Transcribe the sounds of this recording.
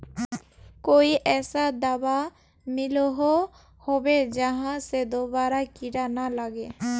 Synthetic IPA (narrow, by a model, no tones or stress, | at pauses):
koiʔɛsad̪aba | milɔɦɔ | hobɛd͡ʒaɦãsɛd̪ɔbaɾakiɽanalaɡɛ